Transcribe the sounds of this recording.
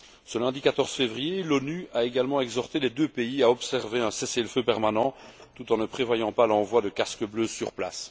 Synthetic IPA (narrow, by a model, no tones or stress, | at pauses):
səlɛ̃d̪ikat̪ɔʁz̥fevʁijelɔnyaeɡalmɑ̃ɛɡzɔʁt̪elɛd̪øpeiaɔpsɛʁveɛ̃seseləføpɛʁmanɑ̃t̪ut̪ɑ̃nəpχevwajɑ̃palɑ̃vwad̪əkaskəbløsyʁpla̰s